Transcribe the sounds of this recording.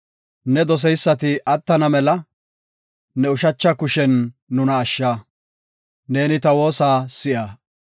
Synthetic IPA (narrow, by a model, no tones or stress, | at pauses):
nɛd̪ɔs̬ɛjsːɐt̪ɪʔɐt̪ːɐnɐmɛlɐ | nɛʊʃɐt͡ʃːɐkʊʃɛnːʊnɐːʃːaː | ne̞ːnɪt̪ɐwo̞ːsaːsɪʔaː